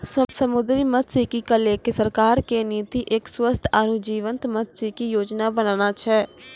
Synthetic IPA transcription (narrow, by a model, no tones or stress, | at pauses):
ssəmʊd̪ɾiːmət̪siːkiːkəleːkesəɾkaːɾkeːniːt̪iːʔɪkswəst̪ʰaːɾud͡ʒiːʋə̃nt̪mət̪siːkijoːd͡ʒnaːbənaːnaːt͡ʃʰɛː